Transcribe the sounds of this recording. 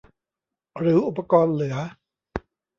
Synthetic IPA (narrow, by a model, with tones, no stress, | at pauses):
ɾɯː˩˦˥ʔu˨˩pːa˧kɔː˧nlɯ˩˦ɐ